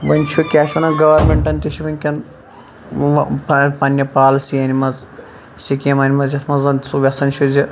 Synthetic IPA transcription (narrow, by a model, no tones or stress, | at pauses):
ʋɐnʲt͡ʃʰukʲaːʃɐnɐɡɐʋɐɾmʲeɳʈɐnʲt̪iʃiʋɐnʲkʲɐn | ɐpɐnʲjɐpaːlsijɐnʲimɐz | sikʲemɐnʲimɐzjɐt̪ʰmɐzɐnsuʋʲɐsɐnt͡ʃʰuzi